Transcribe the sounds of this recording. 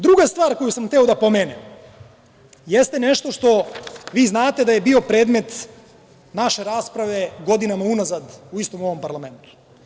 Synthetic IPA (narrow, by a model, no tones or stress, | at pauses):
d̪ɾuɡast̪vʋaːɾko̞jusamxt̪eod̪apo̞meːnem | jest̪eneʃt̪o̞ʃt̪o̞ʋiːznaːt̪e̞d̪aje̞bio̞pɾe̞ːd̪me̞t̪ | naʃe̞ɾaːspɾaʋe̞ɡo̞d̪inamaunazad̪uist̪o̞mo̞ʋo̞mpaɾlˠame̞nt̪u̥